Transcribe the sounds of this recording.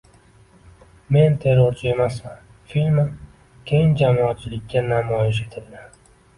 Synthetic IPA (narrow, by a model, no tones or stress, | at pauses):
me̞nt̪ʰe̞ɾoɾt͡ʃʰɪe̞masman | filmɪ | kʲʰe̞jɪŋd͡ʒamɒat̪̚t͡ʃʰɪlɪkʲːanamɒjɪʃ̬e̞t̪ʰɪld̪ɪ